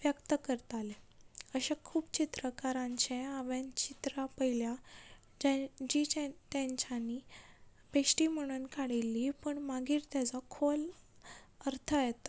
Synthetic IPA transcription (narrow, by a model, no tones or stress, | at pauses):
ʋjəkt̪əkəɾt̪aleəɕakʰuːpt͡ɕit̪ɾəkaɾãɲt͡ɕẽaʋẽnt͡ɕit̪ɾapəilja | d͡ʑad͡ʑit͡ɕt̪ãɲt͡ɕani | pesʈim̤əɽ̃ənkʰaɽilːipəɳmaɡiːɾt̪jat͡sakʰol | əɾt̪ʰəjɛt̪a